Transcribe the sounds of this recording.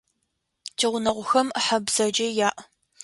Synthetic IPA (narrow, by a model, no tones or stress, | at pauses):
tʰiʁʷʊnɐʁʷʊxɐmħabz̥ɐd͡ʒɐjaːʔ